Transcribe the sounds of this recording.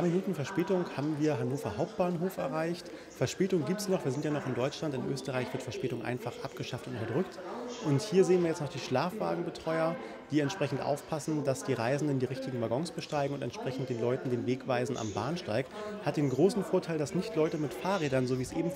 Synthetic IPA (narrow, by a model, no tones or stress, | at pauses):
aɐminuːtn̩fɛɐʃpɛːtʊŋhaːbm̩viːɐɦanoːfɐhaʊp̚t̚b̥aːnɦoːfɛɐʁaɪçt | fɛɐʃpɛːtʊŋɡiːp̚tsnɔχv̥iːɐzɪntjanɔχɪndɔʏt͡ʃlantɪnʔø̰ːstəʁaɪçv̥ɪɐtfɛɐʃpɛːtʊŋʔa̰ɪnfaχʔap̚ɡ̥əʃaftʊntʔʊtɐdʁʏktʔʊnthiːɐzeːnviːɐjɛt͡stnɔχd̥iːʃlaːfv̥a̰ːɡŋ̩bətʁ̥ɔʏɐ | d̥iːɛntʃpʁ̥ɛçn̩tʔa̰ʊfpʰasn̩dasd̥iːʁaɪzn̩dəndiːʁɪçtɪɡŋ̩vaːɡɔŋsb̥əʃtaɪɡŋ̩ʊntɛntʃpʁ̥ɛçn̩t̚d̥eːnlɔʏtn̩deːnveːkv̥aɪzn̩ʔa̰mba̰ːnʃtaɪk̚that̚d̥eːnɡʁoːsn̩foːɐtʰaɪldasnɪçtlɔʏtəmɪtfaːɐʁeːɾɐnzoːviːsʔeːbm̩